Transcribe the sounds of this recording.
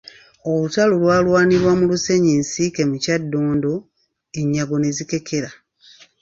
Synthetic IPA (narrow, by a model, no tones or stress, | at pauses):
olutalulwaːlwaːniɾwamuluse̞ɲiːnsike̞mucadːoːndo̞ | eɲːaɡo̞ne̞zike̞kʰe̞ɾa